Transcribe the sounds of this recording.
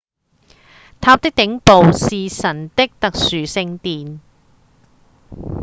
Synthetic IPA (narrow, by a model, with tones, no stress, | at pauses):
t̪ʰaː˧˥p̚t̪ɪ˥k̚t̪ɪ˨˧˥ŋpo˨wsiː˨sɐ˨˩nt̪ɪ˥k̚t̪ɐ˨k̚syː˨sɪ˧ŋt̪iː˨n